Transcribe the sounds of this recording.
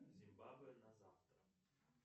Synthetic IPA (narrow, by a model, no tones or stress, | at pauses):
zʲimbabɨnɐzaft̪ɾə